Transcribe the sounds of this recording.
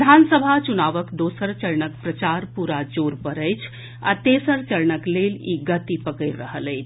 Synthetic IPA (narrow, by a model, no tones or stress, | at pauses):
d̪ʱansəbʱat͡ʃunaʋəkd̪osəɾt͡ʃəɾnək̚pɾət͡ʃaɾpuɾad͡ʒoɾpəɾəjt͡ʃʰ | a̰t̪esəɾt͡ʃəɾɳəkleliɡət̪ipəkəɾːəɦələjt͡ʃʰ